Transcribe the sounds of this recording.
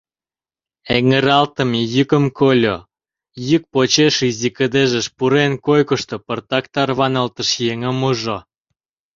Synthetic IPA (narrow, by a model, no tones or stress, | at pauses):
eŋəɾɑlt̪ə̆mjykə̆mkʰolʲo | jyk̚pot͡ɕeʃizikəd̪eʒəʃpuɾenkojkəʃt̪opərt̪ɑkt̪ɑrβɑnəlt̪əʃjeŋə̆muʒo